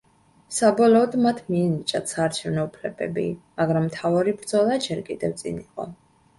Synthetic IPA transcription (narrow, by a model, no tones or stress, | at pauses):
sabɔlɔːd̪mat̪ʰmiɛnit͡ʃʼat̪saːɾt͡ʃʰɛvnɔupʰlɛbɛ̰bimaɡɾamːt̪ʰavaɾibɾd̪zɔlˠad͡ʒɛɾkʼḭd̪ɛft̪sʼḭniqʼɔ̰